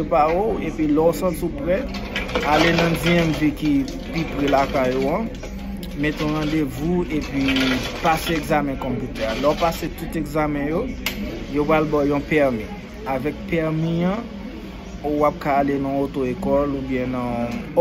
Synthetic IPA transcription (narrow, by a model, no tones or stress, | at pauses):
epaoepɥilɔosãlsupʁɛ | alenɐ̃d͡zijɛmviki | pipʁɛlakajːoã | met̪ɔ̃ʁãd̪evuepɥipaseeɡzamɛ̃kɔ̃pyt̪ɛalɔpaset̪ut̪eɡzamɛ̃jo | jopʁalbajɔ̃pɛʁmi | avɛk̚pɛʁmiɐ̃ | owap̚kaːlenɐ̃ot̪oekɔlubjɛ̃nɐ̃